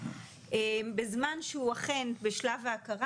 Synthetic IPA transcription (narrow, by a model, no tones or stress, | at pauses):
ʔebezmanʃeuaχenbeʃlavaːkaʁa